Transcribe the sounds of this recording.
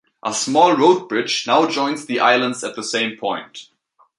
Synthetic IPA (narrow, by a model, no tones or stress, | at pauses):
ʔəsmɔlˠɹoʊd̚bɹɪd͡ʒnaʊd͡ʒɔ̃ɪ̃nzðiʔa̰ɪlˠə̃ndzɨt̪̚ðəsẽɪ̃mpʰɔ̃ɪ̃nt